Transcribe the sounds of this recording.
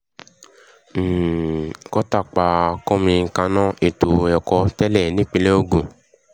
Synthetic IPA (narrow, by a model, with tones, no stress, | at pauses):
kɔ˦ta˦˨k͡pa˨kɔ˦mĩ˧ŋ̩˧kã˧nɔ̃˦e˨to˨ɛ˨kɔ˧tɛ˦lɛ˦˨nĩ˦k͡pi˧le˦o˦˨ɡũ˨